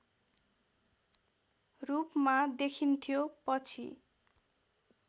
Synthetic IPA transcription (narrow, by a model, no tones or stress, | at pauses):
rupmad̪ekʰint̪ʰijopʌt͡sʰḭ